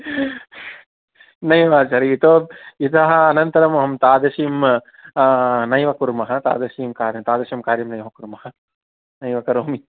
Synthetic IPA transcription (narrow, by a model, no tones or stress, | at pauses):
nɐjʋaːt͡ʃaɾiːt̪oːit̪ɐɦɐ̆ɐnɐnt̪ɐɾɐmɐɦɐmt̪aːd̪ɐʃiːm | nɐjʋɐkuɾmɐɦɐt̪a̰ːd̪ɐʃiːmkaːɾjɐmt̪aːd̪ɐʃɐmkaːɾjɐmnɐjʋɐkuɾmɐɦɐ | nɐjʋɐkɐɾoːmi